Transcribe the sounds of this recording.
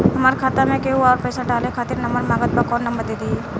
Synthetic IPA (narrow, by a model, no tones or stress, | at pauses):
ɦɐmaːɾkʰaːt̪amẽkeɦuaːɾpɛːsaɖaːlekʰaːt̪ɪɾnɐmbəɾmaːɡət̪̚bakɔːɾnɐmbəɾd̪eːd̪ieː